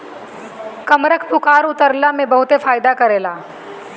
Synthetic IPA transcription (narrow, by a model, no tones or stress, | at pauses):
kɐmɾəkʰpʊkaːɾʊt̪əɾlamẽbɐɦʊt̪efaːɪd̪akɐɾeːlaː